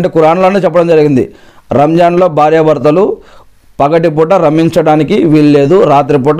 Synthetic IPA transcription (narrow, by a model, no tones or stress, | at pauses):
ɳʈeːkuɾaːɳloːnet͡ʃɛpːɐɽɐmd͡ʒɐɾiɡind̪ḭ | ɾɐmd͡ʒaːnlo̞ːbʱaːɾjɐʋɐɾt̪ɐlu | pɐkɐʈip̬uːʈɐɾɐmiɲt͡ʃɐɽaːnikiʋiɭːe̞ːd̪uɾaːt̪̬ɾipɔːʈ